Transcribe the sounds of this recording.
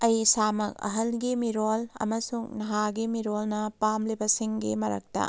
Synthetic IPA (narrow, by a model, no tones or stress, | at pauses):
ɐjsamɐk̚ɐ̰ɦɐlɡimiɾolɐ̰mɐsuŋnɐɦaɡimiɾolnɐpamlibɐsiŋɡimɐɾɐ̰k̚tɐ̰